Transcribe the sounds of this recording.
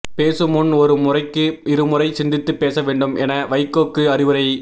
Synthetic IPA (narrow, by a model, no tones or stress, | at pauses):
peːsɯmʊnɔɾɯmʊrɐɪkːɯɪɾɯmʊrɐɪsɪnd̪ɪt̪ːɯpːeːsɐʋeːɳɖɯmʔɛnɐʋɐɪkːoːkːɯɐɾɪʋɐɾɐɪ